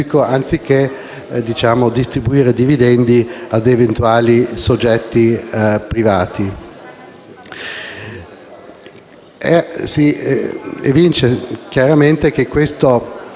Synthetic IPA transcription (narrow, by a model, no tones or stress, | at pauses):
ikoant̪sik̟e | d̪it͡ʃaːmod̪ist̪ɾibuiːɾed̪ivid̪ɛnd̪iad̪event̪uaːlisod͡ʒːɛt̪ːipɾivaːt̪i | ɛsi | ḛvint͡ʃek̟jaɾament̪ek̟ekːwest̪o